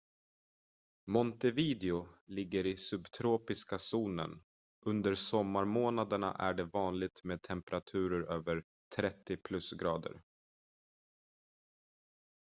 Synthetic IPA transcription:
mɔnt̪ɛviːd̪ɛʊlɪɡːəɾɪsɵbt̪ʰɾoːpɪskasuːnə̰n | ʔɵnd̪əɾsɔmːaɾmoːnad̪əɳa̰ʔæ̰ɖɛvɑːnlɪɡ̚t̪meːd̪̚t̪ʰɛmpɛɾat̪ʰʉ̟ːɾəɾøːvəɾ | t̪ʰɾɛt̪ːɪpʰlɵsɡɾɑːd̪ə̰ɾ

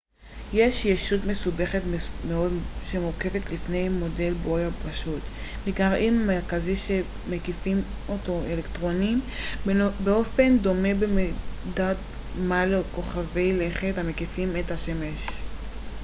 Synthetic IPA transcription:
je̞ʃjeʃutme̞sube̞χetmeo̞dʃemuke̞ve̞t̪lifne̞jmo̞de̞lbojapaʃut̪miɡaʁimameʁkaziʃe | mekifim | ʔotoelekt̪ʁoniim | beo̞fe̞nd̪o̞mebemedat̪ | maleko̞χavejleχethamekifimethaʃemeʃ

